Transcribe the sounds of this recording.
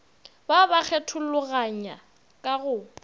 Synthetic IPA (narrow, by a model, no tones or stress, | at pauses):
babak͡xʰɛtʰʊlʊɣaɲa | kʼaɣʊ